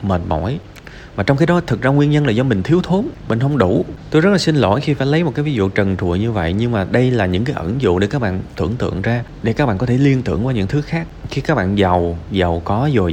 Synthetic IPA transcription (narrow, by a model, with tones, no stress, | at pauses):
məː˨˩t̚mɔ̰˧˩j | vaː˨˩t͡ɕɔ˧wŋ͡mkaː˨˦jɗɔ˨˦˩t̪ʰɨ˨˩zaː˧ŋwi˧ənɲə˧nlaː˨˩zɔ˧mï˨˩ŋ̟t̪ʰi˨˦əwt̪ʰo˨˦nmï̟˨˩ɦə˧wŋ͡mɗu˧˩t̪o˧jzə˦˥t̚laː˨˩si˧nlo̰˧˩jxi˧faː˧˩jlə˨˦jmo˨˩t̚kaː˨˦jvi˨˦zṵ˧˨t͡ɕə˨˩nt͡ɕ̪ṵ˨˧˩jɲɨ˧və̰˧˨jɲɨ˧ŋmaː˨˩ɗə˧jlaː˨˩ɲɨ̰˧˥ŋkaː˨˦jʔə˧˩nzʊ̰˧˨ɗe˧˩kaː˦˥k̚ɓa̰ː˧˨nt̪ɨ̰˧˩˨əŋt̪ɨ̰˧˨əŋzaː˧ɗe˧˩kaː˦˥k̚ɓ̰aː˧˨kɔ˨˦t̪ʰe˧˩li˧ənt̪ɨ̰˧˩əŋkwaː˨˦ɲɨ̰˧˥ŋt̪ʰɨ˨˦xaː˦˥k̚xi˧kaː˦˥k̚ɓa̰ː˧˨nza˨˩wza˨˩wkɔ˨˦zo˨˩